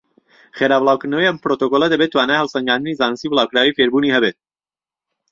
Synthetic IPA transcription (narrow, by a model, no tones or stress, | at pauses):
χeɾaːblˠaːwkɨɾnɐwejʔɐmpɾot̪okoːlˠɐd̪ɐbet̪ːwaːnaːjhɐlˠsɐŋɡaːnd̪ɨnizaːnɨst̪iblˠaːwkɾaːwijfeɾbuːniɦɛbet̪̚